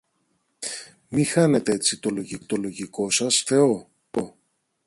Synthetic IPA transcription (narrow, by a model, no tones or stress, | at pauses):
mixɐne̞t̪eet͡sit̪o̞lo̞ʝit̪o̞lo̞ʝiko̞sɐsfe̞o̞ | o